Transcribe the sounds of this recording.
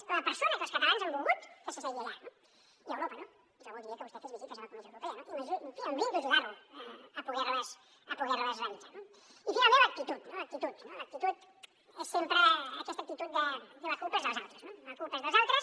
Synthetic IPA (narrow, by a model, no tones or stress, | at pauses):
əlɐpəɾsonɐkəlˠskət̪alanzambulˠɣut̪kəsəseialano | iəwɾopəno | ʒaβoðiɾiəkəβust̪ɛt̪əzβizit̪əzaɐkunɛʒəwɾupɛɐnop̪məzfiəmbind̪əʒuɣaɾuəəpuɣɛɾləs | əpuɣɛɾləzɣant̪əno | ifinalˠmẽnlək̚t̪it̪ut̪nolək̚t̪it̪ut̪nolək̚t̪it̪ut̪ | esːempɾəːkɛst̪ək̚t̪it̪ut̪̚d̪əd̪əlɐkulˠpəezðəlˠzalˠt̪ɾəznod̪unɐkulpəezðəlzalˠt̪ɾəs